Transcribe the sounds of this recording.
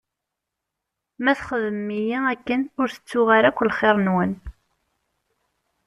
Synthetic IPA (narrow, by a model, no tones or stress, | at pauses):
mæθχəðəmːijiækːənʊɾθə̥t͡sːʊʁaɾækʷːlχeɾˤnwən